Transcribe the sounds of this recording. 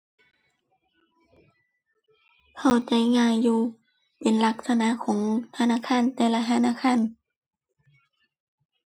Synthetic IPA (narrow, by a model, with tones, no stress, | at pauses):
kʰa˧˩wt͡ɕa˧˦jŋaː˧˨jːuː˧ | pe˨˦nla˧k̚sa˧na˧˥˨kʰɔː˨˦ŋt̪ʰa˧naː˧˥˨kʰaː˧˥˨nt̪ɛː˧la˧t̪ʰa˧˨naː˧˥˨kʰa˧˥˨n